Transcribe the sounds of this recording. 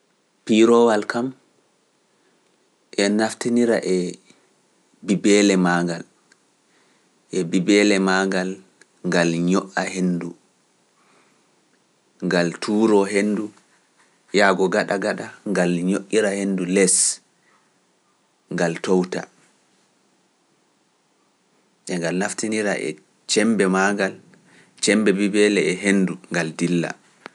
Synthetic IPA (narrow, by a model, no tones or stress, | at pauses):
piɾɔwalkam | ʔɛnaftiniɾa̰ʔɛ | bibɛlɛmaŋɡal | ʔɛbibɛlɛmaŋɡal | ŋɡalɲɔʔahendu | ŋɡaltʰuːɾɔɦendu | jaɡɔɡaɗaɡaɗaŋɡalɲoʔːiɾahendulɛs | ŋɡaltowta̰ | ʔɛŋɡalnaftiniɾaʔɛ̰ | t͡ʃɛmbɛmaɡal | t͡ʃɛmbɛbibɛlɛɛɦenduŋɡaldilːa̰